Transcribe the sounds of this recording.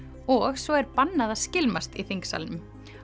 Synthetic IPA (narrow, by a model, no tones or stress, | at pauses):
ɔɣsɔɛɾpanːaðascɪlmast̪iθiŋksa̰lnʏm